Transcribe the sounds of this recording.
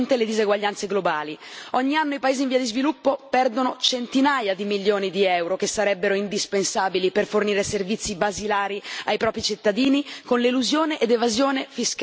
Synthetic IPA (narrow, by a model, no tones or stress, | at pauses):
nt̪eled̪izeɡwaʎːant̪seɡlobaːliɔɲːianːoipaeːziɱviːad̪izvilupːopɛrd̪onot͡ʃent̪inaːjad̪imiljoːnid̪iɛwɾokesːaɾɛbːeɾoind̪ispensaːbiliperforniːɾeservit̪sːibazilaːɾiajpɾɔːpɾit͡ʃit̪ːad̪iːnikonleluzjoːneʔed̪evazjoːnefisk